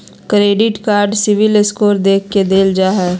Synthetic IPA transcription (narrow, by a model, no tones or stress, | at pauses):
kɾeːɖɪʈkaːɾɖsɪʋɪlɪskoːɾd̪eːkʰːed̪eːld͡ʒaːɦɛː